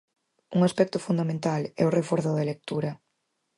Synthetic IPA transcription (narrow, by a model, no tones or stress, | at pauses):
uŋaspɛk̚t̪ʊfund̪amẽnt̪alɛʊrefoɾθʊðɐlek̚t̪uɾɐ